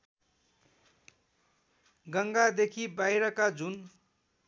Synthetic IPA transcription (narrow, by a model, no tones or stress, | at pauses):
ɡʌŋɡad̪ekʰibajɾʌkad͡zun